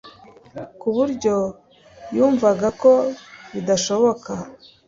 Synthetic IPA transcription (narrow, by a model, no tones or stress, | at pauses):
kuβuɾɟo̞ | juːɱvaɡako̞βidaʃo̞βo̞ka